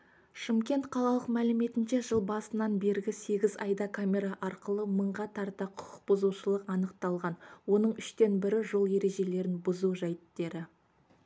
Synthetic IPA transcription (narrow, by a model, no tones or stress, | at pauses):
ʃɪmkʲe̞nt̪qʰɑlˠɑlˠəqmælɪme̞t̪ɪnʃe̞ʒəlˠbɑsənɑnbe̞ɾɡʲɪse̞ɡʲɪzɑjd̪ɑkʰamʲe̞ɾɑʔɑɾqəlˠəməɴʁɑt̪ʰɑɾt̪ɑqʰʊ̥qʰə̥q̚b̥ʊzuʃəlˠəqɑnəqt̪ɑlˠʁɑnwo̞nəɴʏʃt̪e̞nbɪɾɪʒo̞lˠje̞ɾe̞ʒe̞le̞ɾɪnbʊzuʒæjɪt̪ːe̞ɾɪ